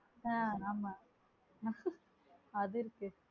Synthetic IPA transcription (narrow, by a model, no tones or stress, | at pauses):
aaːma | ɐðɯɪɾɯkːɯ